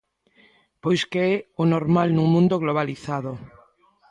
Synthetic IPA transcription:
pojskeɛonoɾmalnũŋmũnd̪oɣloβ̞aliθaðo

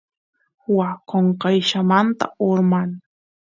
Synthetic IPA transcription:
wakoɴqɑjʃamant̪a̰oɾman

